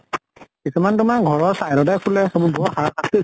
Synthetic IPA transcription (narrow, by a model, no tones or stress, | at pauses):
kisumantʊmakɡʱɔɹɔɹsajɾɔdɛkʰulɛɔbubɔɔxaakʰaste